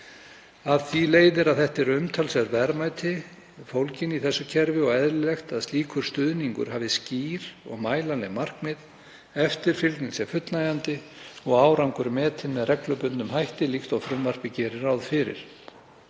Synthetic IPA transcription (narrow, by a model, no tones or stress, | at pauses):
aðθileːjðɪɾaðθɛht̪ɛɾʏmt̪ʰalsɛɾvɛɾmajt̪ʰɪ | fowlcɪniθɛsːʏcʰɛɾvɪɔɣɛðɾɪlɛxt̪aðst̪iːkʰʏɾ̥st̪ʏðniŋkʏ̰ɾ̥ɦaːvðɪsciːɾ̥ɔ̰ɣmaːjlanlɛɣmar̥kmɪð | ɛft̪ɪɾ̥fɪlt̪niŋsɛfʏt̪naːjant̪ɪɔɣaːwɾaŋkʏɾmɛːt̪ʰɪnmɛðrɛklœpʏnt̪ʏmhajht̪ɪlixt̪awfɾʏmvar̥pɪcɛːɾɪɾawðfɪɾɪ̰ɾ̥